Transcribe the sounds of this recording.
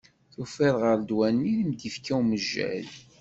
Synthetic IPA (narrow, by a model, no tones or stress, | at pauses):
θufɪðʁəɾd̪wænːiləmd̪ifkæwməʒːæ̰l